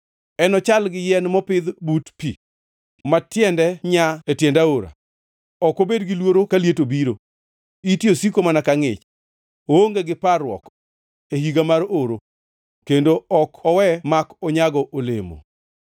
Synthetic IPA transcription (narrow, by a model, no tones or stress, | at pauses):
ɛnɔt͡ʃalɡɪjɛnmɔpɪd̪butpḭ | matjɛndɛɲaetjɛndaoɾa̰ | ɔkobedɡɪlwoɾokaljetobiɾo | itjosikomanakaŋɪ̰t͡ʃ | ooŋɡeɡɪparwɔ̰k | ehiɡamaɾoɾo | kendoɔkɔwɛmakɔɲaɡɔʔolemo̰